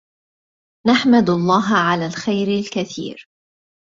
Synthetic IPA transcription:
naħmad̪ɑlˤːɑːɦʕalaːlxajɾɪlkaθḭːɾ

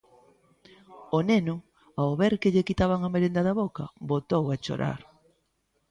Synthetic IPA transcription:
onenʊ | aoβeɾkeʎekit̪aβaŋameɾend̪ɐðaβokɐbot̪owat͡ʃo̰ɾʔa̰ɾ

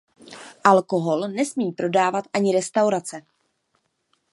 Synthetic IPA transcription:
ʔalko̞ɦo̞lnɛsmiːpɾo̞daːvat̪ʔaɲɪɾɛst̪awɾat͡sɛ

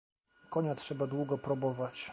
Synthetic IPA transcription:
kɔɲatʂɛbad̪wuɡɔpɾubɔvat͡ɕ

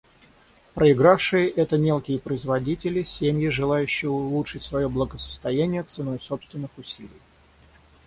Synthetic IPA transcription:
pɾəɪɡɾafʂɨjəʔɛt̪əmʲe̞lˠkʲɪjəpɾəɪzvɐdʲitʲɪlʲɪsʲemjɪʐɨlˠajʉɕːɪjəʊlˠuʂɨtʲsvɐjo̞blˠəɡəsə̥st̪ɐjænʲɪjət̪sɨno̞jso̞pst̪vʲɪnːɨxʊsʲilʲɪj

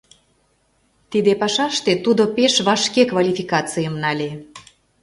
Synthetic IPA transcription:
t̪id̪epɑʃɑʃt̪et̪ud̪opeʃβɑʃkekvalʲifʲikɑt͡sɨjəmnɑlʲe

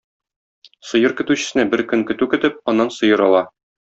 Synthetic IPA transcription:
sɤ̆jɤɾkɵ̆t̪ʉɕɘ̆sɘ̆næbɘɾkɵŋkɵ̆t̪ʉkɘ̆t̪ɘp̚ɒnːɑnsɤ̆jɤɾɒlˠɑ

